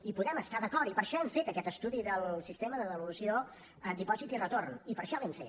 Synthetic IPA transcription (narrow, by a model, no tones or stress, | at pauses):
ipuðɛməst̪aðəkɔɾipəɾʃɔɛɱfet̪əkɛt̪əst̪uðiðəlˠsist̪eməðəðəβulusio | ənd̪ipɔzit̪irət̪ornipəɾʃɔlɛmfet̪